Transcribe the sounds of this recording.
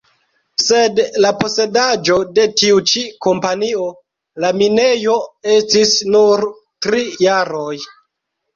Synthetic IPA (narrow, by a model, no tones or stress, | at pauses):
se̞dlapo̞se̞dad͡ʒo̞de̞tiut͡ʃiko̞mpanio̞ | laminejo̞e̞stisnuɾ | tɾijaɾo̞j